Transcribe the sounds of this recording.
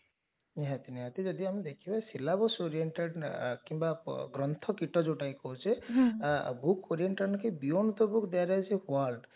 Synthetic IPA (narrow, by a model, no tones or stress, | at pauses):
ɦɛ̃t̪ineɦat̪id͡ʒɔd̪iamid̪ekʰibasilabɔsoɾieɳʈeɖkĩmbaɡɾɔnt̪ʰɔkiʈɔd͡ʒoʈaikɔɦot͡ʃʰe | bʱukʰoɾieɳʈenkebijont̪ɔbukd̪eaɾɔɦɛt͡ʃʰɛwalɖ